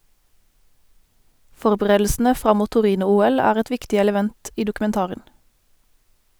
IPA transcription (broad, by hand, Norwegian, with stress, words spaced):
ˈfɔʁbəˌʁeːdl̩sn̩ə ˈfʁɑ ˈmuː tʊˈʁiːnʊˌuːɛl ˈæːʁ ˈɛt ˈʋɪktɪ ɛləˈʋɛnt ˈiː dʊkʉmɛnˈtɑːʁən